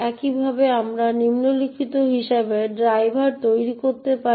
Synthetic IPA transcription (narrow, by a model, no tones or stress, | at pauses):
ɛkibʱabeamɾanimnolikʰit̪oɦiʃabeɖɾajbʱaɾt̪ojɾikoɾt̪epa